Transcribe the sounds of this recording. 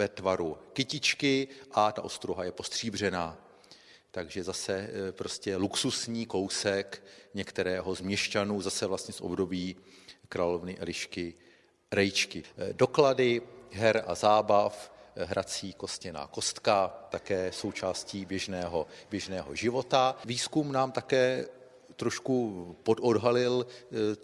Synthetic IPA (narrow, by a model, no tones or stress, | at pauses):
vɛt̪vaɾukɪcɪt͡ʃkɪʔat̪aʔo̞st̪ɾuɦajɛpo̞st̪r̝̥iːbr̝ɛnaː | t̪aɡʒɛzasɛpɾo̞scɛluksusɲiːko̞wsɛkɲɛkt̪ɛɾɛːɦozmɲɛʃcanuːzasɛvlast̪ɲɛsʔobdo̞biː | kɾaːlo̞vnɪʔɛlɪʃkɪ | ɾɛjt͡ʃkɪdo̞kladɪɦɛɾa̰zaːbafɦɾʔat͡siːko̞scɛna̰ːko̞st̪kat̪akɛːso̞wt͡ʃaːsciːbjɛʒnɛːɦobjɛʒnɛːɦo̞̰ʒɪvo̞t̪aviːskumnaːmt̪akɛː | t̪ɾo̞ʃkupo̞dʔodɦalɪl